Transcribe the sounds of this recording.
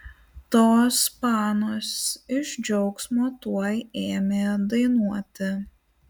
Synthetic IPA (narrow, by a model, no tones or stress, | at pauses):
t̪oːspɑːnoːsɪʒd͡ʒʲɔʊksmoːt̪uɔjeːmʲeːd̪ɐɪnuɔt̪ʲɪ